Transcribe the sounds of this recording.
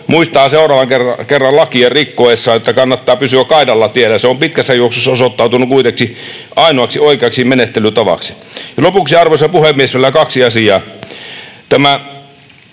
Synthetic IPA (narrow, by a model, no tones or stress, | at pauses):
muist̪ɑɑseˑorɑːʋɑŋkerɑkerːɑllɑkiɑrikːoesːɑːjot̪ːɑkɑnːɑt̪ːɑːpysyækkɑˑidɑlːɑt̪ielːæseompit̪̚kæsːæjuoksosːɑosot̪ːɑˑut̪unukuit̪eksi | ʔɑˑinoɑksioˑikeɑksimmenet̪ːelyt̪ɑʋɑ̰ksi̥jɑlopuksiɑrʋosːɑpuhemmiesʋielːækɑksiɑsiɑː | t̪æmæ